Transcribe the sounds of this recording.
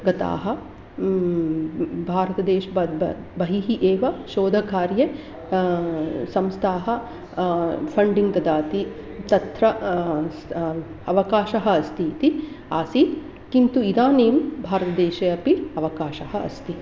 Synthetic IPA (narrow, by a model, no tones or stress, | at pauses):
ɡɐt̪a̰ːɦɐ̆ | bʱaːɾɐt̪ɐd̪eːʃ | bɐɦiɦiʔeːʋɐʃoːd̪ʱɐkaːɾjɐ | sɐmst̪ʰaːɦɐ̆ | pʰɐɳɖiŋt̪ɐd̪aːt̪i | t̪ɐt̪ɾɐ | ɐʋɐkaːʃɐɦɐɐst̪ʰiːt̪i | aːsi | kint̪uid̪aːneːmbʱaːɾɐt̪ɐd̪eːʃeɐpiɐʋɐkaːʃɐɦɐɐ̰st̪i